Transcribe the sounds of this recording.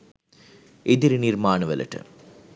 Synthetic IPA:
eðɪɾnɪɾmaːnɐʋɐlɐ̰ʈːɐ̰

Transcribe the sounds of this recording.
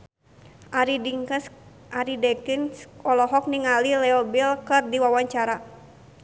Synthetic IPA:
ʔaɾidiŋks | ʔaɾidɛkinsɔlɔɦɔk̚niŋalilɛɔbilkɨrdiwawaɲt͡ʃaɾa

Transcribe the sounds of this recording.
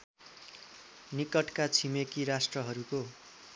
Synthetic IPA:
nikʌʈkat͡sʰimekiɾasʈrʌɦʌɾuko

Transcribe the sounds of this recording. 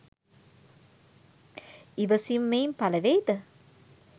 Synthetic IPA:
iʋəsimːejmpalɐʋejd̪ə

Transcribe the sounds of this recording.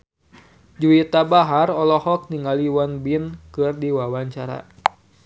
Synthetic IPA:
d͡ʒuit̪abaɦarɔlɔhɔk̚niŋaliwanbinkɨrdiwawaɲt͡ʃaɾa̰

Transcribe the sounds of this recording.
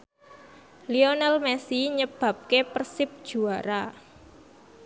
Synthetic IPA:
lionalmɛsiɲəb̥ä̤p̚kepərsɪp̚d̥ʒ̥ṳaɾa

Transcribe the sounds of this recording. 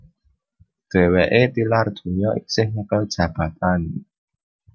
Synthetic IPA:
d̪̥ewɛʔet̪ilard̪ʰujɔʔik̚sehŋakə̥d͡ʒ̥ab̥at̪an

